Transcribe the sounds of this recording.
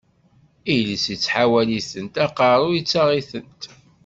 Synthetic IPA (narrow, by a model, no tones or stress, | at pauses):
ilisit͡sːħawæliθənt̪æqɑɾˤʊjit͡sːɑʁiθənt̪